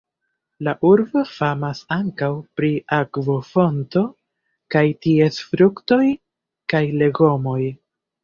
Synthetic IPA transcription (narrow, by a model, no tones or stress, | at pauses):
laʔuɾbo̞famasaŋkawpɾiʔakvofo̞nto̞ | kajtie̞sfɾukto̞j | kajle̞ɡo̞mo̞j